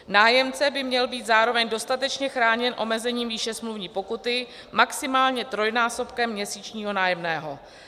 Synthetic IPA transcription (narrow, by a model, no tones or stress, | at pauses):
naːjɛmt͡sɛbɪmɲɛlbiːt̪zaːɾo̞vɛɲdo̞st̪at̪ɛt͡ʃɲɛxɾaːɲɛnʔo̞̰mɛzɛɲiːmjɪʃɛsmluvɲiːpo̞kut̪ɪ | maksɪmaːlɲɛt̪ɾo̞jnaːso̞pkɛmːɲɛsiːt͡ʃɲiːɦo̞naːjɛmnɛːɦo̞